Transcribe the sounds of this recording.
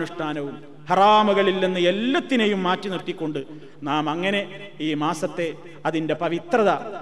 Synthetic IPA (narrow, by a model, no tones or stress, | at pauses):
nuʂʈʰaːnɐʋum | hɐraːmuɣɐɭilːenːɨe̞lːɐt̪ːinejumːaːtːinirt̪ːikʲːo̞ɳɖɨ | naːmɐŋːɐne̞ | iːmaːsɐt̪ːe̞ | ɐðinde̞pɐʋit̪rɐðɐ